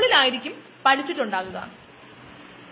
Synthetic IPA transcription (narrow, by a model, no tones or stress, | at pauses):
ɭilaːjiɾikʲːum | pɐɽit͡ɕːiʈːuɳɖaːɣuɣɐ̰